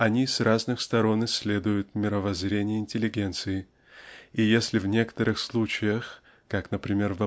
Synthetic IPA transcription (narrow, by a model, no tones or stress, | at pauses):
ɐnʲisraznɨxst̪ɐɾo̞nɨsʲlʲe̞d̪ʊjʊt̪mʲɪɾəvɐzɾʲenʲɪjəɪnʲtʲɪlʲɪɡʲe̞nt̪sɨɪ | ijesʲlʲɪvnʲe̞kə̥t̪əɾɨxslˠut͡ɕɪjəx | kaknəpɾʲɪmʲe̞rvɐ